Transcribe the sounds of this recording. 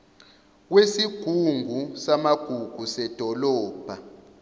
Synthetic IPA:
k̬wesiɡ̥ʱuŋʱusamaɡ̥ʱuɡ̥ʱusɛd̥ʱɔlɔːb̥ʱa

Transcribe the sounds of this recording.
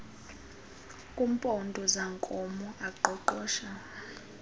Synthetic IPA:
kʼum̩pʼɔndʱɔzaŋkʼɔmɔʔaǃɔǃɔːʃa

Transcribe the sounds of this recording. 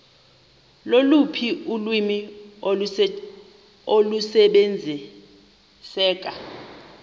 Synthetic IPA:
lolupʰiulwimi | olusɛɓɛnd͡zʱi | sɛːk̬ʼa

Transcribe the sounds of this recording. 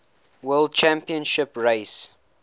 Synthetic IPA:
wɛld̚t͡ʃæ̃mpiə̃nʃɪpɹeɪs

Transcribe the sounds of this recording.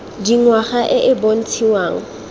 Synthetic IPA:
diŋwaχaʔɪʔɪbon̩tʰiwaːŋ̩

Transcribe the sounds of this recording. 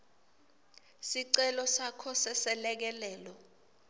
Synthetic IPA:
siǀɛlɔsakʰɔsɛsɛlɛk̬ɛlɛːlɔ

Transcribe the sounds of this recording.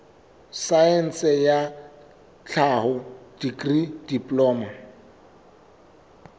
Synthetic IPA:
saɛn̩sɛja | t͡ɬʰahʊd̥ikʼrid̥ipʼlɔːma

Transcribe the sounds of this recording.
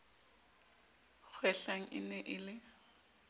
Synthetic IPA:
k͡xʰwɛɬaŋ̩ʔɪ̰nɛʔɪlɪ

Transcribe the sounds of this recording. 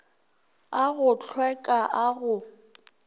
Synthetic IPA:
aɣʊt͡ɬʰwɛkʼaʔaɣʊ

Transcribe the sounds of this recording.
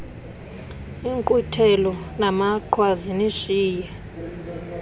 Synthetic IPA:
iŋkʼutʰɛlɔnamaǃʰwaziniʃiːjɛ

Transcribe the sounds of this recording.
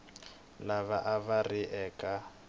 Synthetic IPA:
laβaʔaβarɪʔɛːkʼa

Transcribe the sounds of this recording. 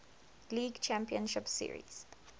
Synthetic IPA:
liːɡt͡ʃʰæ̃mpiə̃nʃɪpsḭɹḭz̥

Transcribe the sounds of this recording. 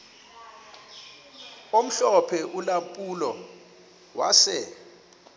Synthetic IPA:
om̩ɬɔpʰɛʔulampʼuːlɔ | wasɛ

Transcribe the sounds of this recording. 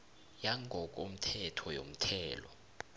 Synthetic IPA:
jaŋʱɔk̬ʼom̩tʰɛtʰɔjo̰m̩tʰɛːlɔ̰

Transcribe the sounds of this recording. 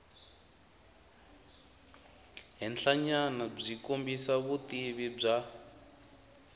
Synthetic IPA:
ɦɛnɬʰaɲanab͡ʐikombisaβutiβib͡ʐa

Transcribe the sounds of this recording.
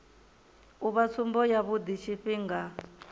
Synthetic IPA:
uβat͡sʰumbɔjaβud̪it͡ʃʰiɸiŋɡa

